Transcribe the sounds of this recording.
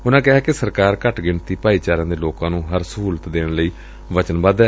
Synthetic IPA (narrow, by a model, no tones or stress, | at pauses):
ʊnãːkɛɦɛːkesəɾkaːɾkəʈɡɪɳt̪iːpaːiːt͡ʃaːɾãːd̪eːloːkãːnũːɦəɾsəɦuːlət̪d̪eːɽ̃ləiː | ʋət͡ʃənbaːd̪ɛː